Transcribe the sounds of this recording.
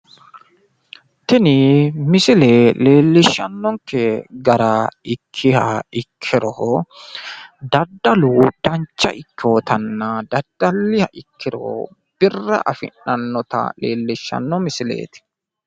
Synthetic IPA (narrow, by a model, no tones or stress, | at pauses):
t̪ɪnɪmɪsɪleːle̞ːlːɪʃːɐnːɔŋkʰɛɡɐɾɐɪkʰːɪhɐɪkʰːɪɾɔhɔ | d̪ɐd̪ːɐlud̪̥ɐnt͡ʃːɐ̰ʔɪkːɪɔt̪ʰɐnːɐd̪ɐd̪̥ːɐlːɪhɐʔɪkʰːɪɾɔ | b̥ɪrːɐ̰ʔɐfɪ̰nːɐnːɔt̪ɐ̰leːlːɪʃːɐ̰nːɔmɪsɪlḛːt̪ɪ̥